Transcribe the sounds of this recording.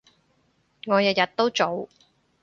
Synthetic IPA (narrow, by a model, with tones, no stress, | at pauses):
ŋɔː˨˧jɐ˨t̚jɐ˨t̚t̪o˥wt͡so˨˧w